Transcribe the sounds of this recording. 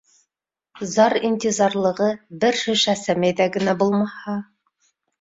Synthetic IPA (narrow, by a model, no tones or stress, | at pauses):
zɑɾinʲt̪ʲizɑɾlˠɤ̆ʁɤbɘɾʃɵ̆ʃæsæmæjðæɡɘ̆næbulˠmɑhɑ